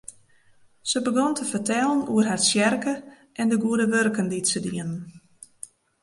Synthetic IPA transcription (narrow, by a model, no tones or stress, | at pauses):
səbəɡɔntʰəfərtɛːlˠənuərɦarsjɛrkə | ʔɛndəɡuədəʋørkənditsədiənən